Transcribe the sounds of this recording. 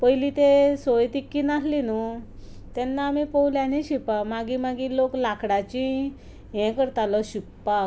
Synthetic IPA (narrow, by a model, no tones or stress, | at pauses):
pəjlit̪esojt̪ikːiːnaslinu | t̪ɛnːaːmipəwljãniɕipamaɡimaɡiːloklakʰɽat͡ɕĩ | jɛ̃kəɾt̪alɔɕikpa